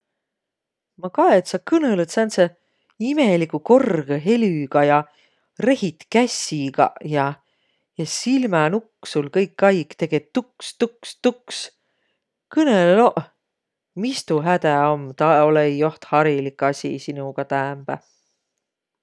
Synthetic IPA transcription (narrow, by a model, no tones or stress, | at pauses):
mɑkɑet̪sɑkɯnelet̪sænt̪se | ime̞likuko̞rɡ̥eɦe̞lyɡ̥ɑjɑ | re̞hit̪kæsiɡɑ̰jɑ | jɑsilmɑnuksulkɤjkːɑjkt̪e̞ɡ̥et̪ːukst̪ukst̪uks | kɯnelloʔ | mist̪uɦæd̪̥æo̞mt̪ɑo̞leijo̞ht̪hɑɾilikːɑsʲḭsinuɡ̥ɑt̪æːmb̥æ̰